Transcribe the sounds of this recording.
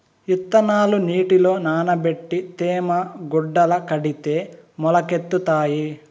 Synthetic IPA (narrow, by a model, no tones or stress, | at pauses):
it̪ːɐnaːluniːʈilo̞ːnaːnɐbeʈːit̪eːmɐɡuɖːɐlɐkɐɽit̪eːmɔlɐket̪ːut̪aːji